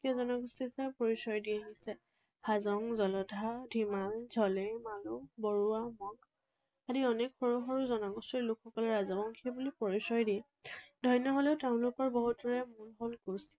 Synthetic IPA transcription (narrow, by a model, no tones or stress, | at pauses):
kiɔzɔnɔɡustisɛpɔɹisɔjdiaɦisɛ | azɔŋzɔlɔdʱadʱimald͡ʒʱɔlɛmalubɔɹuamɔɡ | adiɔnekxɔɹuxɔɹuzɔnaɡɔstilʊkʰxɔkɔlɛɹazɔbɔŋkʰiɛbulipɔɹisɔjdiɛ | dʱɔjnɔɦolɛʊtaʊ̃nlʊkɔɹbɔɦut̚dɔɹɛmunɦolɡus